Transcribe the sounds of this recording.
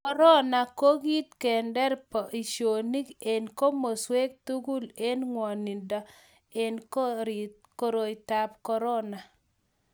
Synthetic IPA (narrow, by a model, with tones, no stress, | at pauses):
kɔ˦ɾɔ˦na˨ko˦ɡi˦t̪̚kɛ˨ndɛ˦ɾpɔ˨ʔi˨ʃo˨ni˦ke˨nko˦mo˨swe˦k̚tu˦ɡu˦le˦nŋwɔ˨ni˨ndɔ˨ | e˨nko˦ɾi˨t̚ | ko˦ɾo˨jta˨pkɔ˦ɾɔ˦na˨